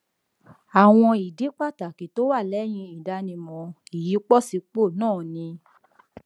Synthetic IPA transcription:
a˨w̃ɔ̃˧i˨di˨˦k͡pa˦˨ta˨ki˨to˨˦wa˦˨lɛ˨˦j̃ĩ˧i˨da˦nĩ˧mɔ̃˧i˨ji˨˦k͡pɔ˦˨si˧k͡po˦˨nãː˦˨nĩ˧

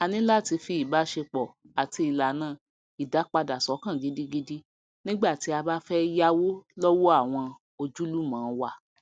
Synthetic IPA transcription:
a˨nĩ˨˦la˦˨ti˧fi˧i˨ba˨˦ʃe˧k͡pɔ˨ | a˨ti˧i˨la˨˦nãː˦˨ | i˨da˨˦k͡pa˧da˨sɔ˨˦kã˦˨ɡi˨˦di˦ɡi˦di˦ | nĩ˦ɡ͡ba˦˨ti˨˦a˧ba˦fɛ˦ja˦wo˦lɔ˦wo˦a˦˨w̃ɔ̃˧ | o˧d͡ʒu˦lu˦mãː˨˦wa˧˨

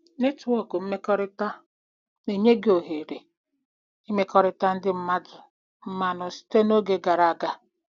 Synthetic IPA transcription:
nɪ˦tʊ˨ɔ˦kʊ˨m̩˦me˦kɔ˦ɾɪ˦ta˦ | ne˨ɲe˦ɡe˨o˨ɦe˨ɾe˨ | i˦me˦kɔ˦ɾɪ˦ta˦n̩˦dɪ˦m̩˦ma˦dʊ˨ | m̩˦ma˨nʊ˨si̥˦te˦no˦ɡe˨ɡa˨ɾa˨ɡa˦

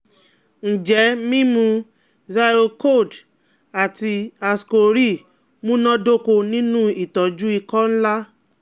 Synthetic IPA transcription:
n̩˨d͡ʒɛ˨˦mĩ˦mũ˧ | za˧ɾo˧ko˦˨d | a˨ti˧a˧sko˧ɾi˦˨ | mũ˦nɔ̃˦do˦ko˧nĩ˦nũ˦i˦˨tɔ˨d͡ʒu˦i˧kɔ̃˦n̩˦la˦

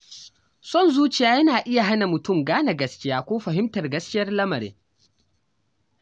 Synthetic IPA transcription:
sɔ˦˨nzuː˦t͡ʃɪ˨jaː˦jɐ˦naː˨ʔɪ˦ja˨ɦa˦na˨mʊ˨tʊ˦˨mɡaː˦na˨ɡɐ˦skʲɪ˦jaː˦kʷoː˦ɸɐ˨ɦɪ˦mtɐ˨rɡɐ˦skʲɪ˦jɐ˦rlɐ˦mɐ˨ɾḛː˦

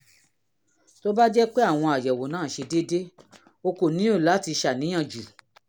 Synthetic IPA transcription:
to˦ba˦d͡ʒɛ˦k͡pe˦a˦˨w̃ɔ̃˧a˨jɛ˨wo˨nãː˦˨ʃe˧de˦de˦ | o˧ko˨nĩ˨˦o˦˨la˨˦ti˧ʃa˨nĩ˨˦j̃ã˦˨d͡ʒu˨

